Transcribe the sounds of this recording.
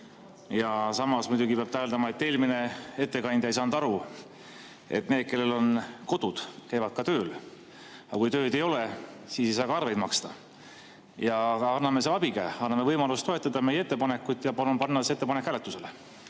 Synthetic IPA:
jɑsɑmɑsmud̪ʲuɡipeɑb̥̚t̪æeld̪ɑmɑe̞t̪ːe̞ːlʲmine̞e̞t̪ˑːe̞kɑnd̪̥ɑejsɑːnd̪̥ɑɾu | e̞̰t̪ne̞ːd̪̚ke̞lːelo̞nko̞d̪̥ud̪̥kæjvɑd̪̥kɑt̪ø̞ːl | ɑkujt̪ø̞ːd̪e̞jo̞lesiːse̞jsɑːkɑɑrve̞jd̪̚mɑkst̪ɑ | jɑɑnːɑme̞s̬eɑb̥ikæːɑnːɑme̞vɤjmɑlust̪o̞e̞t̪ːˑɑd̪̥ɑme̞jːeet̪ˑːepɑne̞kːˑujt̪ːˑjɑpɑlunpɑnːɑseet̪ːepɑnekːˑælet̪ːuse̞le

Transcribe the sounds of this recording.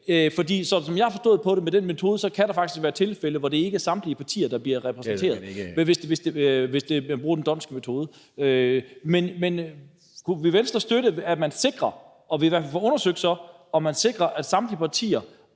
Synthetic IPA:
fɒ̽d̥ḭːsɒ̽sɒ̽mjɑaɪhɑ̈fɒ̽sd̥ɔ̰ð̞̩ˠpʰɒ̽ɾemed̥enmet͡sʰo̝ːð̞ˠəsɒ̽kʰæɾ̥ɑ̈fɑ̈ɡ̥d̥isʋæːɐt͡sʰe̝lfeləʋɒɾ̥e̝e̝ɡ̥əɐsɑ̈md̥liəpʰɑ̈t͡sʰḭːɐd̥ɑ̈b̥liɐʁɛpʰʁɛsnnt͡sʰe̝̰ɐðˠʋe̝sd̥ʋe̝sd̥eʋe̝sd̥e̝æbʁuːɐdend̥ɒ̽n̰sɡ̥əmet͡sʰo̝ːðˠə | ømenmen | kʰuʋiʋensd̥ʁɐsd̥øɾəæmænse̝ɡ̥ʁɐ | ɒ̽ʋiʋæɐ̰fælfɒɔ̽nɐsøɡ̥d̥sɒ̽ | ɒ̽mænse̝ɡ̥ʁɐʔæd̥sɑ̈md̥liəpʰɑ̈t͡sʰḭːɐ

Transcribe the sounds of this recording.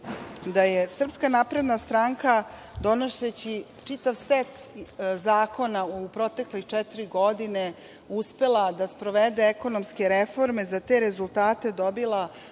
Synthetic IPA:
d̪ajesr̩pskanapɾe̞d̪nast̪ɾaŋkad̪o̞noʃet͡ɕi | t͡ʂit̪aʋset̪zaːko̞naupɾot̪e̞klixt͡ʂɛt̪iɾiɡo̞d̪ine | uspe̞lˠad̪aspɾo̞ʋed̪e̞ːko̞nomske̞ɾefo̞ɾme̞zat̪e̞ɾezulˠt̪aːt̪e̞d̪o̞bilˠa

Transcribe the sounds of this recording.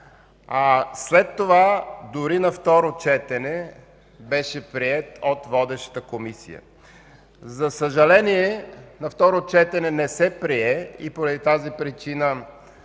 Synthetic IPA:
aslɛt̪ːovad̪ʊɾinɐft̪ɔɾot͡ʃɛt̪ɛnɛ | bɛʃɛpɾiɛt̪ot̪vɔd̪ɛʃə̥t̪əkomisḭjə̰ | zɐsəʒɐlɛniɛnɐft̪ɔɾot͡ʃɛt̪ɛnɛnɛsɛpɾiɛḭpoɾɐd̪it̪azipɾit͡ʃinə

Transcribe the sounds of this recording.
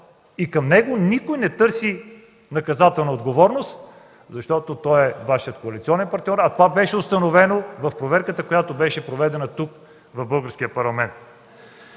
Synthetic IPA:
ikɐmnɛɡonikojnɛt̪ɤɾsi | nɐkɐzat̪ɛlˠnəod̪ɡovɔɾnost̪ | zɐʃt̪ɔt̪ot̪ɔɛvaʃijət̪koɐlit̪siɔnɛnpɐɾt̪nʲɔɾɐt̪ovabɛʃɛʊst̪ɐnovɛnovɐfpɾovɛɾkət̪əkojat̪obɛʃɛpɾovɛd̪ɛnət̪uk | vɐvbɤlˠɡəɾsk̟ijəpɐɾlˠɐmɛnt̪̚

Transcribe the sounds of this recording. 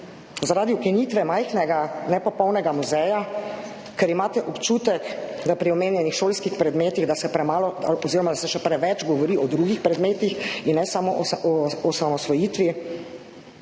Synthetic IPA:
zaɾaːd̪iukinit̪ʋɛmajxnɛɡanɛpɔpɔwnɛɡamuzɛja | kɛɾimaːt̪ɛʔɔpt͡ʃuːt̪ɛkd̪apɾiɔmeːnjɛnixʃoːlskixpɾɛd̪meːt̪iɣd̪asɛpɾɛmaːlɔd̪aɔziːɾɔmad̪asɛʃɛpɾɛʋɛt͡ʃɡɔʋɔɾiʔɔd̪ɾuɡixpɾɛd̪meːt̪ixinnɛsamoʔɔɔsamɔsʋɔjit̪ʋi

